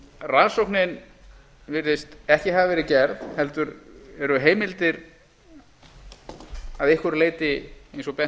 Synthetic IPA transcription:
raðsowknɪn | vɪɾðɪst̪ɛhcɪɦavɪvɛːɾɪcɛɾðhɛlt̪ʏɾɛɾʏɦeːjmɪlt̪ɪɾ | aðɪhkʏɾleːjt̪ɪejnsɔpɛ

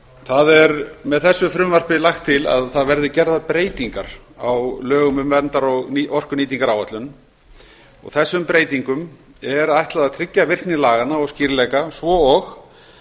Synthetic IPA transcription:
θaðɛɾmɛðθɛsːʏfɾʏmvar̥pɪlaxt̪ʰːɪla̰ðθaðvɛɾðɪcɛɾðapɾeːjt̪iŋka̰ɾ̥awlœːɣʏmʏmvɛnt̪aɾɔɣɔr̥kʏniːt̪̬iŋkaɾawat̪lʏn | ɔ̰ɣθɛsːʏmpɾeːjt̪iŋkʏm | ɛɾajht̪laðaðt̪ʰɾɪcːavɪr̥knɪlaːɣanːaɔsciːɾɪlɛjkasvɔɔx

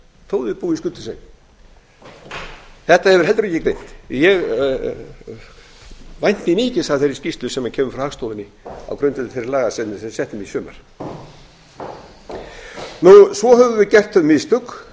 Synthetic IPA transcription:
θʰowðɪðpuːiskʏlt̪ʏsḛjn | θɛht̪ahɛvʏɾ̥ɛlt̪ɾɛcːɪkɾejn̥t̪jɛɣ | vajn̥t̪mimɪːcɪsaθejɾɪ̥scist̪lʏsɛmːacʰɛːmʏfɾawhaːɣst̪oːwðɪnːɪ | a̰wkɾʏnt̪ɪ̥θeɾɪɾlaːɣasɛt̪nɛsɛht̪ʏmisœːma̰ɾ̥ | nusvɔɦœvʏvɪðcɛr̥t̪ʰœðmɪðst̪ʏk

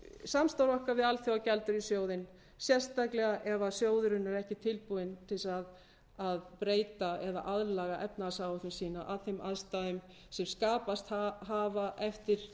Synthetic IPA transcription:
samst̪awɾɔhkavɪðalθjowacɛlt̪ʏɾisjoːwðɪn | sjɛr̥st̪aklɛɣaʔɛvasjoːwðʏɾʏnːʏɾɛhcɪt̪ʰɪlpuɪnt̪ʰɪlsað | aðpɾeːjt̪aɛða̰ʔaðlaɣaʔɛpnaasaːwaθɪmsiːnaʔaðθejmʔaðst̪aðʏm | sɛmskaːpast̪haɦaːvaʔɛft̪ɪɾ̥

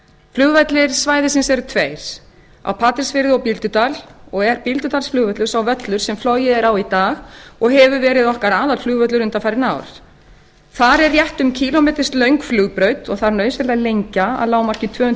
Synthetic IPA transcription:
flʏɣvat̪lɪɾ̥svaːjðɪsɪnsɛɾʏt̪ʰveːjɾ̥ | a̰wpʰaːt̪ɪɾ̥svɪɾɪðɔpilt̪ʏt̪alɔɣɛɾpilt̪ʏt̪alsflʏːɣvœt̪lʏɾsawvœt̪lʏɾ̥sɛmflɔjɪðɛɾawit̪aːɣɔɣɦɛvʏvɛːɾɪðɔhkaɾaːðalflʏːɣvœt̪lʏɾʏnt̪afajɾɪna̰ːwɾ̥ | θaɾɛrːjɛht̪ʏmcʰilɔmɛːt̪ɪ̥st̪lœɥŋkflʏːɣpɾœɥt̪ɔɣθaɾnœɥsvɛɾlajlejɲcaa̰ðlaːwmar̥cɪt̪ʰvœːhʏn

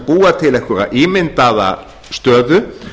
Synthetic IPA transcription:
puːat̪ʰɪlɛhkʏɾa̰ðʔiːmɪnt̪aða̰ | st̪œːðʏ

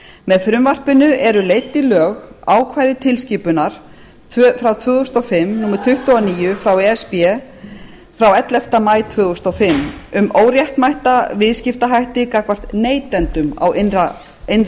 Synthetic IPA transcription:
mɛðfɾʏmvar̥pɪnʏɛɾʏleːjt̪ːilœːɣaːwkʰvaːjðɪt̪ʰɪlsciːpʏnaɾ̥ | fɾawt̪ʰvʏːɣʏst̪ɔfɪmːnumɾ̥t̪ʰʏht̪ʏaniːjʏfɾawɛɛspjɛ | fɾawɛt̪lɛft̪amaːjt̪ʰvœːɣʏst̪ɔfɪmːʏmoːwɾjahk̪majht̪avɪðscɪft̪aɦajht̪ɪkaːkvar̥t̪neːjt̪ɛnt̪ʏma̰wɪna | ɪn

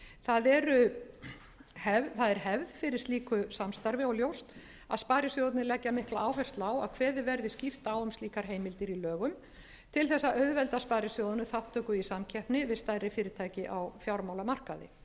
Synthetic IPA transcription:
θaðɛɾʏ | hɛvθaðɛɾ̥hɛvðfɪɾɪɾ̥st̪iːkʏsamst̪aɾvɪɔljowst̪ | aðspaːɾɪsjowt̪nɪlɛcːamɪhklaʔawfɛr̥st̪laːwa̰ðkʰvɛːðɪvɛɾðɪscift̪awʏmsliːkaɾ̥ɦeːjmɪlt̪ɪɾilœːɣʏm | t̪ʰɪlθɛsːaʔœɥðvɛlt̪aspaːɾɪsjowðnʏθaht̪ʰːœːkʏisamcʰɛpnɪvɪðst̪ajrːɪfɪːɾɪɾt̪ʰaːjcɪʔawfjawɾmawlamar̥kaðɪ̰

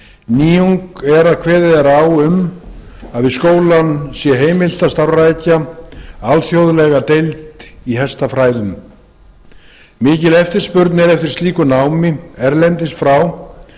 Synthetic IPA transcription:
niːuŋkɛɾaðkʰvɛːðɪðɛɾawʏm | aðvɪskoːwlansjɛɦeːjmɪl̥t̪ast̪awrajcaalθjowðlɛɣat̪ejlt̪iɦɛst̪afɾaːjðʏm | mɪːcɪlɛft̪ɪɾ̥spʏɾt̪nɛɾɛft̪ɪ̥ɾ̥st̪iːkʏnawmɪɛɾlɛnt̪ɪst̪fɾaw

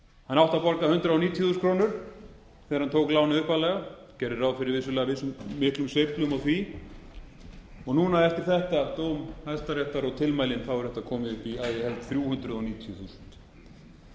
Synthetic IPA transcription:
hanawht̪apɔɾkahʏnt̪ɾaɔniːt̪ʰjθuskʰɾoːwnʏɾ̥ | θɛːɣaɾhant̪ʰoːwklaːwnaʏhpalɛːɣa | cɛɾɪɾawðfɪɾɪɾvɪs̬ːʏlɛːɣavɪsʏmːɪht̪lʏmsejt̪lʏmɔθi | ɔɣnuːnaɛft̪ɪɾ̥θɛht̪at̪oːwmhajst̪aɾɛht̪aɾɔɣt̪ʰɪlmajlɪnθawʏɾ̥θɛt̪akʰɔːmɪðʏhpiaðɪhɛlt̪θɾjuːhʏnt̪ɾʏðɔniːt̪ʰjʏθuːsʏ̥nt̪

